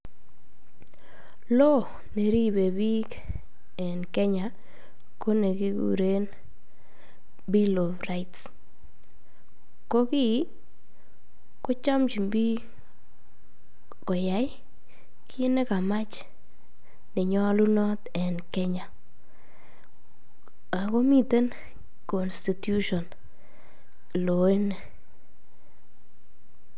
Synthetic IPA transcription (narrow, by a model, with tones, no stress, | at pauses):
lo˦ | ne˨ɾi˦be˨bi˦k | ɛ˨nkɛ˦ɲa˨ | ko˦ne˨ki˦ɡṵ˦ɾe˦n | bi˦lo˨fra˨its | ko˦ki˦ | ko˦t͡ʃa˦mt͡ʃi˨mbi˦ | kɔ˨ja˨˦j | kʰi˦ne˦ka˨ma˦t͡ʃ | ne˨ɲɔ˦lu˦nɔ˦t | ɛ˨nkɛ˦ɲa˨ | a˨ko˦mi˦te˦n | kɔ˨nsti˨tju˦ʃɔ˨n | lo˨e˦nɛ˨